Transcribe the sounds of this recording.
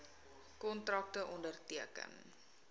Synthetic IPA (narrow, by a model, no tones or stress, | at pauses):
kɔntrɑk̚təʔɔndərtiəkə̰n